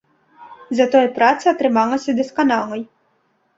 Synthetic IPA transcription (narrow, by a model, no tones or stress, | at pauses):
zɐt̪ɔjpɾat̪sɨɐt̪ɾɨmalˠɐsʲɐd̪ɛskanalˠɐj